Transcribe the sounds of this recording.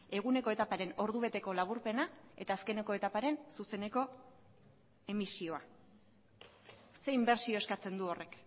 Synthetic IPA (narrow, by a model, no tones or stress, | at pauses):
e̞ɣ̞une̞ko̞e̞t̪apaɾe̞no̞ɾðuβ̞e̞t̪e̞ko̞laβuɾpe̞nae̞̰t̪aːske̞ne̞ko̞e̞t̪apaɾe̞nsuse̞ne̞ko̞ | e̞misio̞a | se̞imbe̞ɾsio̞e̞skat͡se̞nd̪uo̞rʔe̞k